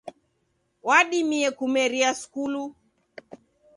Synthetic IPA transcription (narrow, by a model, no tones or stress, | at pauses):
waɗimiɛkumɛɾiaskulu